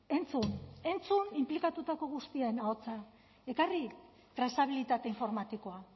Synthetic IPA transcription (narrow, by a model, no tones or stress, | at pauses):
e̞nt͡sune̞nt͡sunimplikat̪ut̪ako̞ɣ̞ust̪iaenaot͡sa | e̞kari | t̪ɾasaβ̞ilit̪at̪e̞iɱfo̞ɾmat̪iko̞a